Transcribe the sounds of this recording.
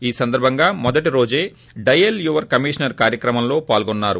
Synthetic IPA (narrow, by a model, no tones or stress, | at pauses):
iːsɐnd̪ɐɾbʱɐŋɡaːmɔd̪ɐʈiɾo̞ːd͡ʒeː | ɖɐjeljuːʋɐɾkɐmiːʂɐnɐɾkaːɾjɐkɾɐmɐmlo̞ːpaːlɡɔnːaːɾu